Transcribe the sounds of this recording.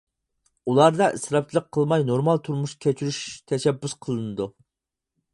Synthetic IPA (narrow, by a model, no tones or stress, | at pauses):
ulˠɑɾd̪ɑʔɨsɾɑp̚t͡ʃʰilˠəqʰːəlˠmɑjnoɾmɑlˠt̪ʰuɾmuʃkʲʰɛt͡ʃʰyɾyʃt̪ʰɛʃɛbːysqʰəlˠɨnɨd̪u